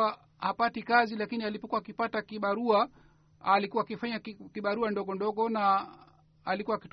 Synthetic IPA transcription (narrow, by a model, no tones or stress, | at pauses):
a | hapatikazilakinialipɔkuwaːkipatakiɓaɾua | alikuwaːkifaɲakiɓaɾuandɔɠɔndɔɠɔna | alikuwaːkit